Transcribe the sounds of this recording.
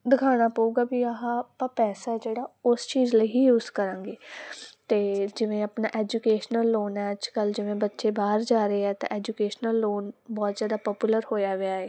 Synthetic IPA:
d̪ɪkʰaːɽ̃aːpəuːɡaːbiːaɦãːpəɾpɛːsaɛd͡ʒeːɽaːʊst͡ʃiːzləiːjuːzkəɾãːŋɡeːt̪eːd͡ʒɪʋẽːapnaːʔɛːd͡ʒuːkeːʃnəlːoːnɛːəd͡ʒkəld͡ʒɪʋẽːbətːʃeːbaːəɾd͡ʒaːɾeːɛːt̪ã̰ːʔɛːd͡ʒuːkeːʃnəlːoːnbɔːt̪zjaːd̪aːpɔːpjuːləɾhoːjaːʋɪjaːeː

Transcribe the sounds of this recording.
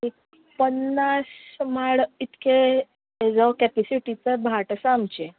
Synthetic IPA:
ik | pənːasmaɭit̪kʰe | d͡zəkɛpɛsiʈit͡səbʱaʈəsamt͡ɕe

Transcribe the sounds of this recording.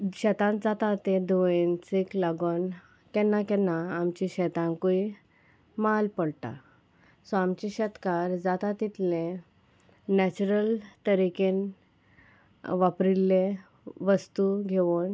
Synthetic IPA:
ɕɛt̪ãnd͡zat̪at̪ẽd̪oent͡siklaɡon | kɛnːakɛnaːmt͡ɕĩɕɛt̪ãŋkui | malpəɽʈa̰ | sɔamt͡ɕiɕɛt̪kaɾd͡zat̪at̪it̪lẽ | nɛt͡ɕuɾəlt̪əɾiken | ʋapɾilːẽ | ʋəst̪uɡʱeʋun

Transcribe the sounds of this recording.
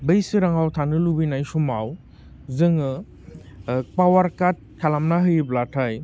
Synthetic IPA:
bɯjsɯɾaŋawtʰanɯlubinajsumaw | zɯŋɯ | pawaɾkat̚kʰalamnaɦɯjblatʰaj

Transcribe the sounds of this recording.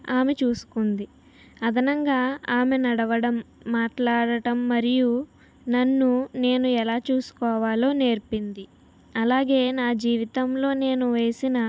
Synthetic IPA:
aːmet͡ʃuːsu̥kund̪i | ɐd̪ʱɐnɐŋɡaːaːmenɐɽɐʋɐɽɐmːaːʈlaːɽɐʈɐmːɐɾiju | nɐnːune̞ːnuɛlaːt͡ʃuːsu̥kɔːʋaːlo̞ːne̞ːɾpind̪i | ɐlaːɡe̞ːnaːd͡ʒiːʋit̪ɐmlo̞ːne̞ːnuʋe̞ːsinɐ

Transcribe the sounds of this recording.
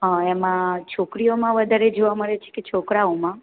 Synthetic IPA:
ɦãemãt͡ʃʰokɾijomãʋəd̪ʱaɾed͡ʒoʋaməɭet͡ʃʰe̥ket͡ʃʰokɾaomã

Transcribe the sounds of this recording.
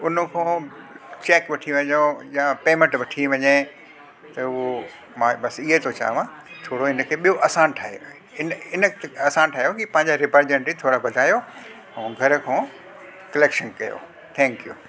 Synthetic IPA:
ʊnə̆kʰõːt͡ɕeːkʋɐʈʰiʋɐɲojãpeːmẽɳʈʋɐʈʰiʋɐɲe | t̪ɐʊɦo | mãːbɐsɪɦet̪ʰot͡ɕa̰ːʋãː | t̪ʰoːɽoɪnə̆kʰeːɓijoʔɐsãnʈʰaːɦeo | ɪnɪnə̆t̪ɐsãːnʈʰaːɦjokipɐ̃ɦɪ̃ɲd͡ʑaɾɪpəɾd͡ʑẽɳʈit̪ʰoːɽabɐd̪ʱaːjo | ũɡʱɐɾə̆kʰõː | kɐleːkʃənkɐjo̰ | t̪ʰɛ̃ːŋkjṵ

